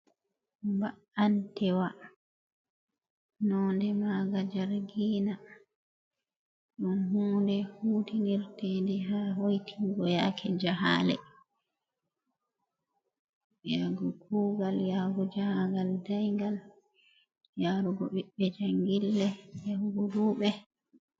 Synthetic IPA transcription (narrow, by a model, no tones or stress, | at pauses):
mba | antɛwa | nɔːndɛmaːɡad͡ʒaɾɡiːna | ɗunhuːndɛhuːtiniɾtendɛɦaɦojtʰiɡɔjakʰɛd͡ʒaɦa̰ːlɛ̰ | jaɡɔkʰuːɡaljaːɡɔd͡ʒahaŋɡaldajŋɡal | jaːɾuɡɔɓiɓːɛd͡ʒaŋɡilːɛɛhuɡuɾuːɓɛ